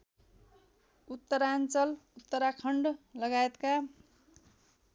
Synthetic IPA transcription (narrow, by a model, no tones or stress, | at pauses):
ut̪ːʌɾant͡sʌlut̪ːʌɾakʰʌɳɖlʌɡajet̪ka